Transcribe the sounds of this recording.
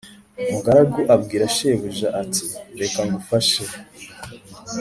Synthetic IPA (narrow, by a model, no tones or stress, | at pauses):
muɡaɾaɡuʔab̚ɡiːɾaʃeːβuʒaʔatiɾe̞kaŋɡufaʃe